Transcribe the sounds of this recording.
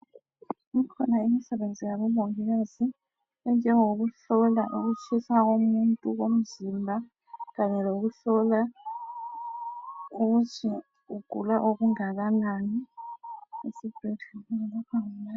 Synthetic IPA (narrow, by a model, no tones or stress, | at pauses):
ŋikʰɔnaimisɛβend͡zʱijaβɔmoŋiɣazi | ɛnd͡ʒʱɛŋoɣuɬɔla̰ʔuɣut͡ʃʰisaɣ̬omuntʼuɣom̩zimbʱa | ɣaɲɛloɣuɬɔla | uɣut͡ʃʰi | uɡ̥ʱulaʔoɣuŋaɣanani | esib̥ʱetʰuŋɛlɔkʰaŋuna